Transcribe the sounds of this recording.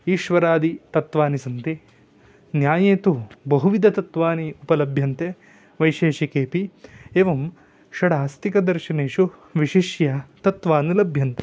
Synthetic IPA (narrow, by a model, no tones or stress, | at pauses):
iːʃʋɐɾaːd̪it̪ɐt̪ʋaːnisɐnt̪i | njaːjeːt̪ubɐɦuʋid̪ʱɐt̪ɐt̪ʋaːniupɐlɐbʱjɐnt̪e | ʋɐjʃeːʃɐkeːpieːʋɐm | ʃɐɽaːst̪ikɐd̪ɐɾʃɐneːʃuʋiʃiʃjɐt̪ɐt̪ʋaːnilɐbʱjɐnt̪